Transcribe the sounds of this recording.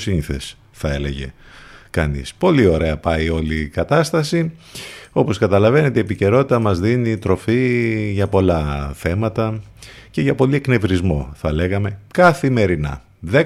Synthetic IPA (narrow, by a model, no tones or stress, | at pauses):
siniθe̞̰s | θɐe̞le̞̰ʝe̞̰kɐ̰nḭspo̞lio̞ɾe̞ɐpɐio̞likɐt̪ɐst̪ɐsi | o̞poskɐt̪ɐlɐve̞ne̞t̪eiepice̞ɾo̞t̪it̪ɐmɐzðinit̪ɾo̞fiʝɐpo̞lɐθe̞mɐt̪ɐce̞ʝɐpo̞liekne̞vɾizmo̞θɐle̞ɣɐme̞kɐθime̞ɾinɐ̰ | ðe